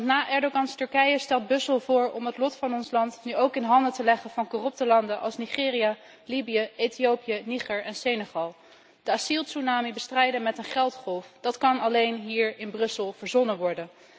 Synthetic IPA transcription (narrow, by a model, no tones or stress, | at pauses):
ntnaːʔɛɹdoɡɑnstɵɹkɛjəstɛlˠt̚bɵsəlˠvʊːɹɔmɦətlɔtfɑnɔnslɑntnyowkɪnɦɑndətəlɛχənv̥ɑnkorɵp̚təlɑndənʔɑ̰lˠsniχɪːria | libijəejtijowpijəniχɛɹɛnsejneχɑlˠ | d̥əasilˠsunaːmibəstrɛjdənmɛtənχɛlˠtχɔlˠfd̥ɑtkɑnɑlejnɦiːɹɪnbrɵsəlˠv̥əɹzɔnəʋɔɹdən